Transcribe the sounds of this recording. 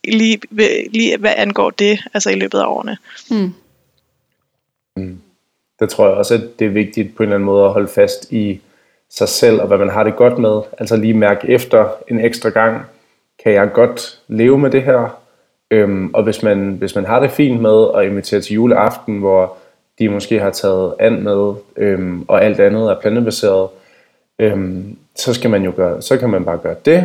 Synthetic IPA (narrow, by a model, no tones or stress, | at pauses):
liːʋliːʋæʔænɡ̥ɒ̰ːd̥e̝ʔælsɐilø̰ːb̥ð̞̩ˠæɒ̰ːnə | m | d̥et͡sʰʁo̝ɐ̰jɑɒ̽sæd̥ːe̝æɐʋe̝ɡ̥̚d̥id̥̚pʰɒ̽e̝ːnlæn̩mɔ̽ːð̞̩ˠæɦɒ̽ləfæsd̥i | sɑ̈ɪsel̰ɒ̽ʋæmænɦɑ̈ɾ̥e̝ɡ̥ɒ̽d̥með̞ˠʔæl̰sɒliːmæɐɡ̥efd̥ɐe̝neɡ̥sd̥ʁɑɡ̥ɑ̈ŋ̰ | kʰæjɑ̈ɪɡ̥ɒ̽d̥le̝ːʊəmed̥e̝ɦæɐ̰ | ømɒ̽ʋe̝smænʋe̝smænɦɑ̈ɾ̥e̝fḭːnd̥með̞ˠɒ̽e̝nʋit͡sʰe̝̰ːɐt͡sʰe̝juːləʔɑ̈fd̥n̩ʋɒ | d̥imɒ̽sɡ̥e̝̰ːhɑ̈t͡sʰɛ̰ːð̞̩ˠæn̰með̞ˠʔømɒ̽ʔæl̰d̥ænð̞̩ˠæɐpʰlænəb̥æse̝̰ːɐð̞̩ˠ | øm | sɒ̽sɡ̥æmænjo̝ɡ̥ɶːɐsɒ̽kʰæmænb̥ɑ̈ːɡ̥ɶːɐd̥e̝